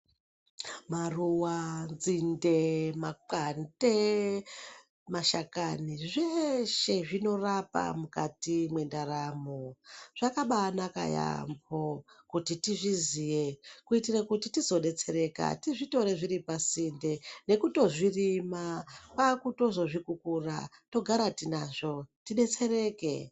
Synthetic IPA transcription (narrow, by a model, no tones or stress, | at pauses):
maruwanzindemaǃante | maʃakaniʐeʃe̞ʐino̞rapa̰muka̰timwe̞ndaɾamoʐ̥akaɓanaka̰ja̰mbokutitiʐizijekuitirakutitizo̞ɗe̞t͡se̞ɾe̞ka̰tiʐito̞ɾeʐiɾipasinde̞ne̞kuto̞ʐirimapakuto̞zo̞ʐikukura̰ | to̞ɡʱaɾatinaʐo̞tiɗe̞t͡se̞ɾe̞ːke̞